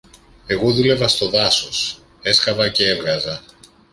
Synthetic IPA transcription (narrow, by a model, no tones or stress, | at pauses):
e̞ɣo̞ðule̞vɐst̪o̞ðɐso̞s | e̞skɐvɐcee̞vɣɐzɐ